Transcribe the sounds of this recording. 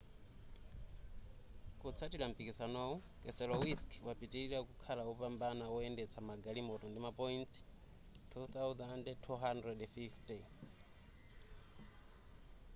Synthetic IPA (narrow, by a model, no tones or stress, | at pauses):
kut͡sʰatilam̩pikisanɔɔ | kʼɛsɛlɔwiskwapitiiɺakukʰalaɔpambanaɔɛndɛt͡sʰamaɡalimɔtɔndimapɔinti̥ | tʰuθawdandtʰuɦandrɛdfifti